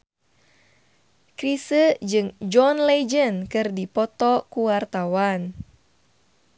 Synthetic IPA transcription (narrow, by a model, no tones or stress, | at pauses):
kɾisəd͡ʒɨŋd͡ʒɔnled͡ʒənkɨrdipɔt̪ɔkuwart̪awan